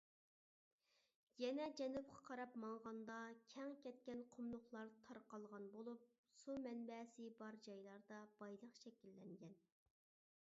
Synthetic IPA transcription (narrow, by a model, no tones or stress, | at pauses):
jɛnɛd͡ʒɛnup̚qʰɑ̥qʰɑɾɑpmɑɴʁɑnd̪ɑkʲʰɛŋkʲɛt̪̚kʲɛnqʰomlˠʊχlˠɑɾt̪ʰɑɾqɑlˠʁɑnbolˠup̚ | sumɛnbɛsɪbɑɾd͡ʒɑjlˠɑɾd̪ɑb̥ɑjlˠəqʃɛkʲilːɛŋɡʲɛn